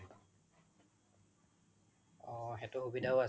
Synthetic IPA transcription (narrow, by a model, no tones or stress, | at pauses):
ɔxɛtʊxubidʱaoa